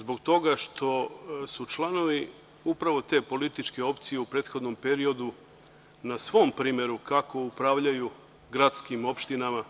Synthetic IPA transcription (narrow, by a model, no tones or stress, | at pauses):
zbo̞ɡt̪o̞ɡaʃt̪ʰo̞sut͡ʃlˠano̞ʋi | upɾaʋo̞t̪e̞po̞lit̪it͡ʃke̞o̞pt̪sijeupɾe̞ːt̪xo̞d̪no̞mpe̞ɾio̞d̪u | nasʋo̞mpɾiːmje̞ɾukako̞upɾaːʋʎaju | ɡɾat̪skimo̞pʃt̪inama